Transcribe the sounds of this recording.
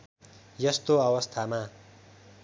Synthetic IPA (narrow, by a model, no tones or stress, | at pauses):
jʌst̪oʌwʌst̪ʰama